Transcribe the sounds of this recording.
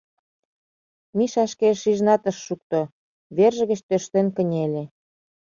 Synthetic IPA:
miʃɑʃkeʃiʒnɑt̪ə̆ʃːuk̚t̪o | βerʒə̆ɣə̆t͡ɕt̪øʃt̪enkə̆nʲelʲe

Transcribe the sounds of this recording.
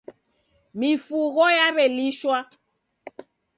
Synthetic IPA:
mifuɣɔjaβɛliʃwa

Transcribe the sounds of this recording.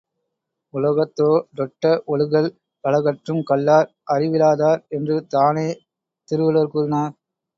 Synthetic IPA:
ʊlɐɣɐt̪ːoːd̪ɔʈːɐʔɔɻɯɣɐɭ | pɐɭɐɣɐʈrɯmkɐɭːaːɾ | ʔɐrɪʋɪlaːðaːɾɛndrɯt̪aːneː | t̪ɪɾɯʋɯlɐɾkuːɾɪnaːɾ

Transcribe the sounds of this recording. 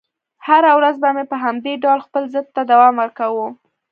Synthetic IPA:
haɾawɾazbamepəɦamd̪eɖɑwlxpəlzəd̪̚t̪ad̪awɑmwəɾkawu

